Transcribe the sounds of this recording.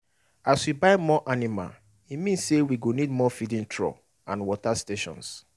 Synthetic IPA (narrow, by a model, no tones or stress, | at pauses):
aswibaɪmɔʔanima̰l | imĩnssewiɡonidmɔfidĩntʰɹɔ̰ | ã̰nwɔtasteʃɔ̰̃ns